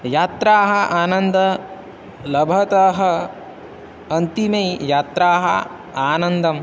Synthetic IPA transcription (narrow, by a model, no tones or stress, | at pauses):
jaːt̪ɾaːɦɐ̆ʔaːnɐnd̪ɐ | lɐbʱɐt̪ɐɦɐ̆ | ɐnt̪imɐjjaːt̪ɾaːɦɐ̰ | aːnɐnd̪ɐm